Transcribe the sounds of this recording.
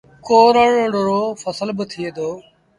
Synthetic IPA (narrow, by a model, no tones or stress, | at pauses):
koːɾəɽoːɖoɾoːfəsəlbət̪ʰieːd̪oː